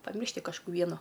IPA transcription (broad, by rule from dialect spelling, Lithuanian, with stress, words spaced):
pɐˈmʲɪrʲʃʲtʲɪ kɐʃˈkuː ˈʋʲiɛnʊ